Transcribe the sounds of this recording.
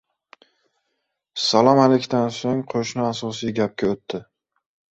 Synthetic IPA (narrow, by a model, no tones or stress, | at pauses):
salˠɒmalekʲt̪ansoŋqʰoʃnɪasɒsijɡʲap̚kʲaot̪ːɪ